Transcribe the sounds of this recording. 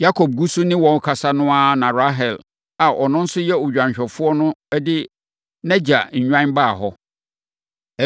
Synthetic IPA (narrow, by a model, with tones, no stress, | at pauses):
ja˦kʰo˨b̚ɡu˦su˦nɪ̃˦wɔ̃˨kʰa˨sa˦nʊ̃˦a˦nã˨ɾa˦ɦɛ˨l | a˨ʔɔ˨nʊ̃˦n̩˦sʊ˦jɛ˦o˨d͡ʑᶣã˨ɲ˨ɕᶣɛ˨fʊ˦ɔ˦nʊ̃˦ɛ˦dɪ˦ | nɛ̃˦d͡ʑa˨ɲ̩˨ɲᶣã˦n˦baː˦˨ɦɔ˦˨